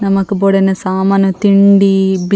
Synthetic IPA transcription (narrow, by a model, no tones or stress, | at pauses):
nɐmːɐkɐboːɽɐnɐsaːmɐnɐt̪iɳɖib